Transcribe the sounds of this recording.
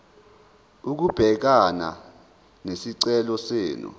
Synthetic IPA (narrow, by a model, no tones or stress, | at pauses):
uk̬ub̥ʱɛk̬ana̰ | nesiǀɛlɔseːnṵ